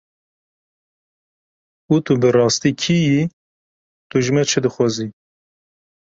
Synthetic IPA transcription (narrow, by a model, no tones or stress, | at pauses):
ut̪ubɨrɑːst̪iːkʰiji | t̪uʒɨmɛt͡ʃʰɨd̪ɨxʷɑːzi